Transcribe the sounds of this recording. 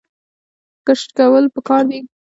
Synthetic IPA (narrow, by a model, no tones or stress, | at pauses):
kəʂʈkawəlpəkɑɾd̪e